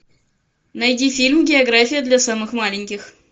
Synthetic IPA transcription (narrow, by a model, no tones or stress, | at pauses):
nɐjdʲifʲilʲmɡʲɪɐɡɾafʲɪjəd̪lʲɐsamɨxmalʲɪnʲkʲɪx